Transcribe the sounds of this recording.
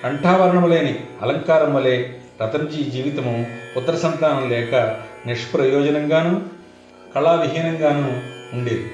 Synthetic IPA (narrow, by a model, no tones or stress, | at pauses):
kɐɳʈʰaːʋɐɾɐɳɐmɐleːniɐ̰lɐŋkaːɾɐmʋɐleːɾɐt̪ɐmd͡ʒiːd͡ʒiːʋit̪ɐmuut̪ːɐɾɐsɐnt̪aːnɐmlɛːkɐniʂpɾɐjɔːd͡ʒɐnɐŋɡaːnu | kɐɭaːʋiɦiːnɐŋɡaːnuuɳɖeːd̪i